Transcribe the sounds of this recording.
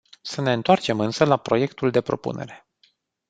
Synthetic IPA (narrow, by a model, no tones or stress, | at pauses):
səne̞ɨnt̪oart͡ʃe̞mɨnsəlapɾo̞je̞kt̪uld̪e̞pɾo̞pṵne̞̰ɾe̞̥